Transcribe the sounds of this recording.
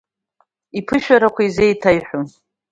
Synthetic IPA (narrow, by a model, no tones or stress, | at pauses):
ipʰɨʃᶣaɾakʷʰaizejtʰajħʷᶣo